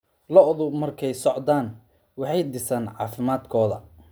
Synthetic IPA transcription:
lɔʔɔðʊbmɐrkʰɛjsɔʕd̪aːn | wɑħɑjd̪ɪsɐnʕɑ̰ːfɪmaːd̪kʰɔːðɐ

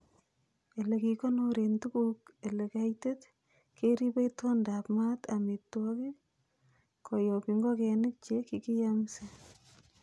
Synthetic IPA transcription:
elekikonoɾentukuk̚elekajtet | keɾipeitɔndapmatametːwɔki | kojɔpiŋɡɔkɛnɪk̚t͡ʃekikijamse

